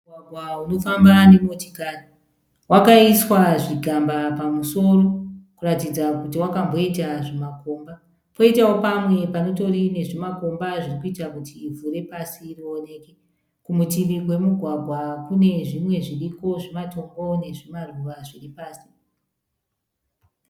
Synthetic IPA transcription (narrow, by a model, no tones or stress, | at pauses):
waɡʱwauno̞fambane̞moti̥kani | wakaiswaʐiɡʱambapamuso̞ro̞kuratid͡zakutiwakambo̞itaʐimako̞ːmba | po̞itawo̞pamwe̞pano̞to̞rine̞ʐimako̞mbaʐirikuitakutiːvuɾe̞pasiːrione̞ke | kumutimiwe̞muɡʱwaɡʱwakune̞ʐimwe̞ʐiriko̞ʐimato̞mbo̞ne̞ʐimaruʋaʐiripaːsi̥